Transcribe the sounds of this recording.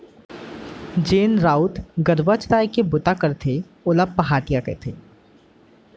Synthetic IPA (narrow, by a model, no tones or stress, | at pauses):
d͡ʒeːnɾaːʊt̪ɡɐɾʋat͡ʃt̪aːjkebʊt̪akɐɾt̪ʰe | ʊləb̚pːɐɦaːʈijakḛt̪ʰeː